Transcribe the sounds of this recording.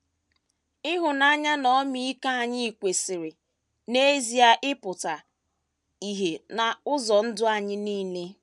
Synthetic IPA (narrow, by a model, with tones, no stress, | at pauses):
ɪ˦ɦʊ˨na˦ɲa˦nɔ˦mi˦ka˦a˨ɲɪ˦i˨kʷe˨sɪ˨ɾɪ˨ | ne˦zi˨a˦ʔɪ˦pʊ˨ta˨ | i˨ɦe˨na˨ʊ˦zɔ˨n̩˦dʊ˦a˨ɲɪ˦niː˦le˦